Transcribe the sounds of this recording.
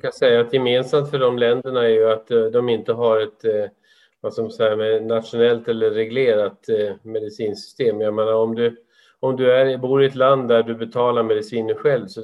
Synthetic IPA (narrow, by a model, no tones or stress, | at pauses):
kʰasɛjːaːt̪jɛmeːnsamt̪fœɖɔmlɛnd̪əɳaɛɾjɵat̪d̪ɔmɪnt̪əɦaɾɛt̪ | vasamasɛjamɛnat̪ʂʊnɛlt̪ɛlːəːɛɡleːɾat̪mɛd̪ɪsiːnsʏ̥st̪eːmjameːnaɾɔmd̪ɵ | ɔmd̪ɵæɾbuːɾɪɛt̪land̪ːæɖɵbɛt̪ʰɑːlaɾmɛd̪ɪsiːnənɧɛlvsɔ